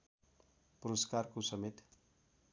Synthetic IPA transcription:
puɾʌskarkosʌmet̪

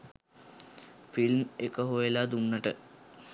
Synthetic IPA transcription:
filmekəɦojəlad̪unːəʈə

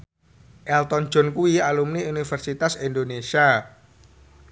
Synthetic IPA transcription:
ʔɛlt̪ɔn̥d͡ʒ̥ɔ̤nkuialumniunifərsit̪asindonesia

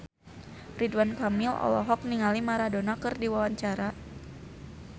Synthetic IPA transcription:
ridwankamilɔ̰lɔ̰ɦɔk̚niŋalimaɾadonakɨrdiwawaɲt͡ʃaɾa

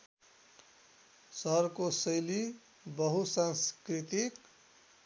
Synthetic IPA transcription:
sʌɾkosʌjli | bʌɦusanskɾit̪ik

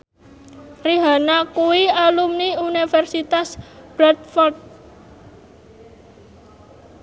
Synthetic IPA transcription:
riɦa̤nakuwialumniunifɛrsit̪asb̥ɾat̪̚fɔrt̪̚

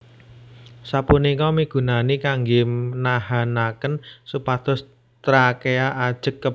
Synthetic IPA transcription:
sapunikɔmiɡ̥ṳnanikaŋɡiənahanakənsupat̪ɔs | t̪ɾakeaʔad̥ʒ̥ə̤kːə

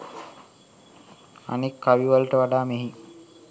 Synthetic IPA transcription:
a̰nekːaʋiʋalʈəʋaɖaːmeɦi

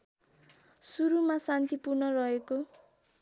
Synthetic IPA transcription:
suɾumasant̪ipurnʌrʌɦeko

